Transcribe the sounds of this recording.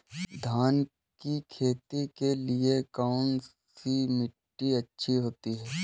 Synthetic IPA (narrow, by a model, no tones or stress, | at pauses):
d̪ʱaːn | kikʰeːt̪ikeliekaʊɳ | simɪʈːiɐtːʃʰiɦoːt̪iɦɛː